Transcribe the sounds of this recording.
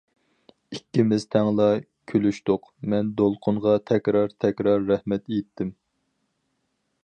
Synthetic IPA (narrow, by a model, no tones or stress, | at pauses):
ikʲːimɪzt̪ʰɛŋlˠɑ | kʲʰølyʃt̪ʊqmɛnd̪olˠqʰʊɴʁɑt̪ʰɛkʲɾɑɾt̪ʰɛkʲɾɑɾːɛhmɛt̪ejt̪ʰːɪm